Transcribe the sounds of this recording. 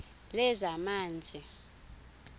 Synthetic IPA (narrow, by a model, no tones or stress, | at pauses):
lɛzamaːnd͡ʒʱɛ